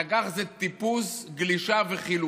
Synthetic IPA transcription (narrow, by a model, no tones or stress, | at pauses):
aɡaχzet̪ipusɡliʃaveχilu